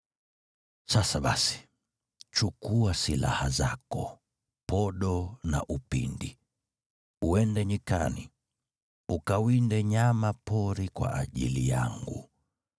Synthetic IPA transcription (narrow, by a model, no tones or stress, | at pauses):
sasaɓasi̥ | t͡ʃukuasila̰hazakɔ | pɔɗɔna̰ʔupḭndi | uɛndɛɲikani | ukawindɛɲamapɔɾikwa̰ʔaʄḭlija̰ŋɡu